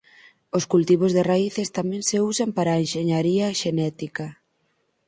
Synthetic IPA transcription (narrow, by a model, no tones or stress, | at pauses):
oskult̪iβ̞ozðeraiθɪst̪amɛ̃ŋseusampaɾaːenʃeɲaɾiɐʃenɛt̪ikɐ